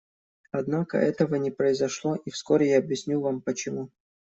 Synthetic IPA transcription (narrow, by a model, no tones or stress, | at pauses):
ɐd̪nakə̰ʔɛt̪əvənʲɪpɾəɪzɐʂlˠo̞ʔifskoɾʲɪjaːbjɪsʲnʲuvampət͡ɕɪmu